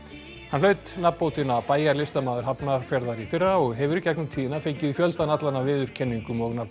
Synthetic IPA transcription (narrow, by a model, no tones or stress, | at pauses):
hanlœːɥt̪napmːpowt̪ɪnapaːjaɾlɪst̪amaːðʏɾɦapnaɾ̥fjɛɾðaɾifɪrːaɔɣɦɛvʏɾcɛknʏmt̪ʰiːðɪnafejcɪðifjœlt̪anat̪lanavɪːðʏɾ̥cʰɛnːiŋkʏmɔɣnap